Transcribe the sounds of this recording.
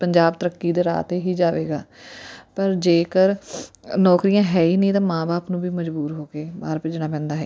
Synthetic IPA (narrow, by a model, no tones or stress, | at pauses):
pəɲd͡ʒaːbt̪əɾəkːiːd̪eːɾa̰ːt̪eːɦiːd͡ʒaːʋeːɡa̰ːpəɾd͡ʒeːkəɾnɔːkɾijãːɦɛːiːnəĩːt̪ãːmãːbaːpnũːbʱiːməd͡ʒbuːɾɦoːkeːbaːɾpɪd͡ʒɽ̃aːpɛ̃ːnd̪aːɦɛː